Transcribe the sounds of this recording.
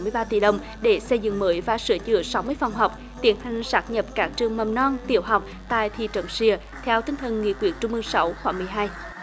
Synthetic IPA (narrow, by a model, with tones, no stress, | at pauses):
mɨ˧əjɓaː˧t̪ḭ˧˩ɗə˨˧wŋ͡m | ɗe˧˩sə˧jzɨ̰˧˨ŋməː˨˦jvaː˨˩sɨ˧˦ət͡ɕɨ̰˧˨əsa˨˦wmɨ˧əjfa˨˩wŋ͡mɦɔ˨˩wk͡p̚ | t̪i˧˩˦ənha˨˩jŋ̟saː˦˥k̚ɲə˨˩p̚kaː˦˥k̚t͡ɕɨ˨˩əŋmə˨˩mnɔ˧nt̪ḭ˧˩əwɦa˨˩wk͡p̚ | t̪a̰ː˧˨jt̪ʰḭ˧˨t͡ɕə̰˧˨˦nsi˧ə | t̪ʰɛ˧wt̪i˧ŋ̟t̪ʰə˨˩nŋḭ˧˨əkwḭ˨˧˩ək̚t͡ɕʊ˧ŋ͡mʔɨ˧ŋsa˨˦wxwaː˧˩ŋmɨ˨˩əjɦaː˧j